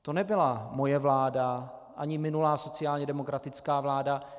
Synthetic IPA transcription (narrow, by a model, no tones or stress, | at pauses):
t̪o̞nɛbɪlamo̞jɛvlaːda | ʔaɲɪmɪnulaːso̞t͡sɪaːlɲɛdɛmo̞kɾat̪ɪt͡skaːvlaːda